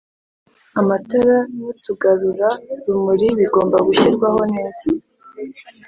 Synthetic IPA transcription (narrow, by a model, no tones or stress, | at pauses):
amatoɾajutuɡaɾuɾaɾumuɾiβiɡo̞ːmbaɡuçiɾɡwaɦho̞neːz̥i